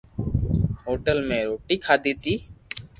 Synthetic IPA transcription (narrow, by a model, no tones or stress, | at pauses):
ɦoːʈəlmẽːɾoːʈiːkʰaːd̪iːt̪iː